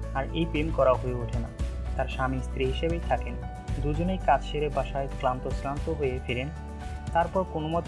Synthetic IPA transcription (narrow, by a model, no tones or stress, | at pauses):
aɾejpemkɔɾaɦoeoʈʰena̰t̪aɾʃamist̪ɾiɦiʃebejt̪ʰaken | d̪ud͡ʑonejkat͡ɕʃeɾebaʃaeklant̪oslant̪oɦojefiɾen | t̪aɾpɔɾkonomɔt̪